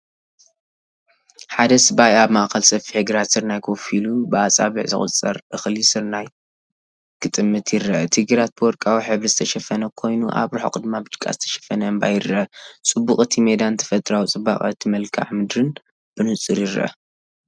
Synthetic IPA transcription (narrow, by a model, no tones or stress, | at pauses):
ħad̪ɐsɨbajaβmaʔkʰɐlsɐfiħɨɡɨɾat̪sɨɾnajkʰofilubɨasʼa̰βɨʕzɨ̰χʼʊ̰t͡sʼɐɾʔɨxlisɨɾnaj | kʰɨt̪ʼɨmːɨt̪ʰjɪɾːɐʔɐt̪ʰɨɡɨɾat̪̚b̥ɨwɔɾkʼawiħɨβɾizɨt̪ʰɐʃɐfɐnɐkʰo̞jnuʔa̰βɾuħokʼɨd̪mabɨd͡ʒ̪kʼa̰zɨt̪ʰɐ̥ʃɐ̥fɐnɐɨmba̰jɪrɐʔɐt͡sʼɨbːuχʼɨt̪ʰimed̪ant̪ʰɐ̥fɐt̪ʼɾawt͡sʼɨba̰χʼɨt̪ʰːimɐlkʰa̰ʕmɨd̪ɾɨn | b̥ɨnɨt͡sʼɨɾjɪɾɐ̰ʔɐ̰